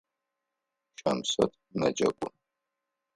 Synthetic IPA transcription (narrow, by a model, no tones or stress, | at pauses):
ʃʰʼɐmsɐ̰tʰʼnɐd͡ʒɐkʷʼʊn